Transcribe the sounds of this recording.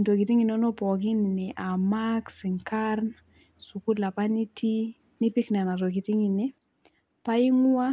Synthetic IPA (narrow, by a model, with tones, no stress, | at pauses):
nto˨ɡi˨ti˦ŋi˨nɔ˦nɔ˦pɔ˨ki˦ni˨nɪ˨ʔa˨ma˦ksɪ˨ŋka˦rn | su˨ku˦la˨pa˦ni˦ti˦ | nɪ˦pi˦knɛ˨na˨ɾo˨ɡi˨ti˦ŋi˨nɪ˦ | pa˦i˦ŋʊ˦a˦